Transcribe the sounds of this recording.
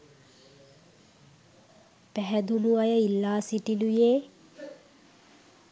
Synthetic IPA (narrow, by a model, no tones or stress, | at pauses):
pæɦɛd̪uluajəilːaːsiʈilujeː